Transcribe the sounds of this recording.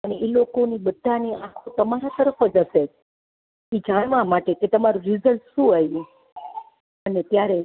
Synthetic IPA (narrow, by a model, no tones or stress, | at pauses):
əneelokonibəd̪ʱːaniakʰot̪əmaɾãt̪əɾəfəd͡ʒəse | id͡ʒaɽʋamaʈeket̪əmaɾũɾizəlfʃũːajũ | ənet̪jaɾe